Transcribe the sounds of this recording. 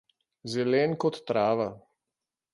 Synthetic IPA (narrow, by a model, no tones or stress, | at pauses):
zɛlɛːnkɔt̪ːɾaːʋa